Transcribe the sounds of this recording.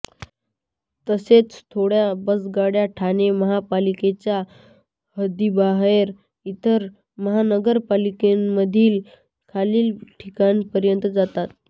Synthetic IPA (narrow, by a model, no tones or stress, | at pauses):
t̪əset͡st̪ʰoɽjabəsɡaɽjaʈʰaneməɦapaliket͡ɕja | həd̪ibaɦeɾ | it̪əɾ | məɦanəɡəɾpalikemməd̪ʱiːl | kʰaliːlʈʰikanipəɾjənt̪əd͡zat̪at̪